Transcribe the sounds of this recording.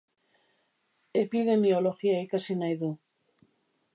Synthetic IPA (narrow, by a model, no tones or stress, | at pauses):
epiðe̞mioloxiaikasinajðu